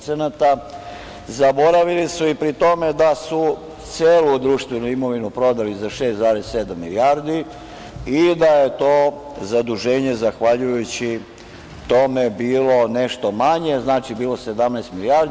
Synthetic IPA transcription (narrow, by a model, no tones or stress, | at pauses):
t̪senat̪a | zabo̞ɾaʋilisuipɾit̪o̞me̞d̪asu | t̪seːlud̪ɾuːʃt̪ʋenuimo̞ʋinupɾo̞d̪alizaʃe̞ːst̪zaːɾessed̪amːiliaɾd̪i | id̪aje̞t̪o̞ː | zad̪uʒe̞ːɲe̞zaxʋaʎujut͡ɕi | t̪o̞me̞biːlo̞neʃt̪o̞maɲe̞znaːt͡ʃibiːlˠo̞se̞d̪amnɛːst̪miliaɾ